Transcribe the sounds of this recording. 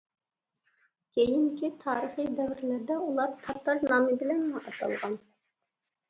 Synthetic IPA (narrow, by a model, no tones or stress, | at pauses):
kʲʰejiŋkʲʰit̪ʰɑːɾəχid̪ɛvɾɪlæɾd̪ɛulˠɑɾt̪ʰɑt̪ːɑɾnɑːmɪbɪlɛnmɑʔɑt̪ʰɑ̰lˠʁɑn